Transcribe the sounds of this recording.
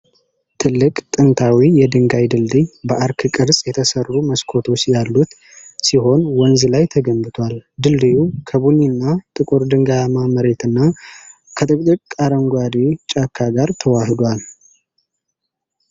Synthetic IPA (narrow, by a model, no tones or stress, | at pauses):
t̪ʰɨlːɨkʼt̪ʼɨnt̪ʰawijɛd̪ɨŋɡajd̪ɨld̪ɨjbəʔaɾkʰkʼɨɾsʼjɛt̪ʰəsərːuməskʰo̞t̪ʰo̞t͡ʃːjalːut̪ | siɦo̞nwɔnzlajt̪ʰəɡəmbɨt̪ʰwald̪ɨld̪ɨjukʰəβuninːat̪ʼɨkʼuɾd̪ɨŋɡajamaməɾe̞t̪ɨnːa | kʰət̪ʼɨkʼd̪ʼɨkʼkʼːaɾəŋɡʷwad̪it͡ʃʼakʰːaɡaɾt̪ʰəwahɨd̪wal